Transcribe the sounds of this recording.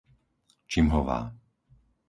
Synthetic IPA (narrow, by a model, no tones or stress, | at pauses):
t͡ʃimɦɔʋa̰ː